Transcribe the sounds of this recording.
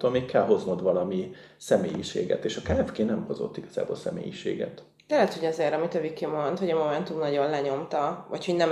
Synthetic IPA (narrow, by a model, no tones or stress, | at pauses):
t̪ːoːlmeːkkɛlɦo̞zmod̪ʋɒlɒmi | sɛmeːjiʃeːɡɛ̰t̪eːʃɒkalɛvkeːnɛmho̞zo̞̰t̪ːiɡ̥ɒ̥z̥a̰ːbo̰lsɛ̰mḛːjiʃḛːɡɛ̰t̪ | d̪̥ɛlɛt̪hoɟɒzeːɾɒmit̪ɒvikemo̞nt̪hoɟɒmo̞mɛnt̪umnɒɟo̞nlɛɲo̞mt̪ɒvɒcho̞ɟnɛm